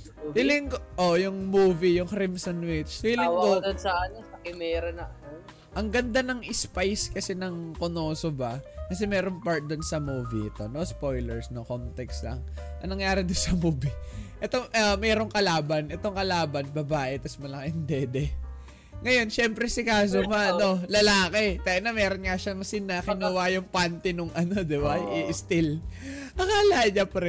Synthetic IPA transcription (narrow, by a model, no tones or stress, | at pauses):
illɪŋʔojʊŋmuːvijʊŋkɾimsonwɪt͡ʃhilɪŋɡod̪onsɐanosɐkɪmɛːɾɐnɐɐno | ʔɐŋɡɐnd̪anɐŋʔɪspajskɐsɛnɐŋkonoːsobɐkɐsɛmɛːɾo̞ŋpaɹt̪̚d̪onsɐmuːviʔɪt̪o̞no̞spo̞jlɛɹsno̞ko̞nt̪ɛkslɐ̰ŋʔɐ̰nɐŋjaːɾɛd̪ʊnsɐmuːbiʔɛt̪o̞ʔɐmɛːɾo̞ŋkɐlaːbɐnʔɛt̪o̞ŋkɐlaːbɐnbɐbaːʔɛt̪ɐsmɐlɐkɐʔɪnd̪ɛd̪ɛ | ŋɐjo̞nʃɛmpɾɛsɪkaːs̬omɐɐno̞lɐlaːkɛt̪ɐʔɐnɐmɛːɾonŋɐʃaŋsɪnɐkɪnʊwajʊŋpant̪ɪnoŋʔɐno̞d̪ɪbaʔɪʔɪst̪ɪl | ʔɐŋalaɲapɐɾɛ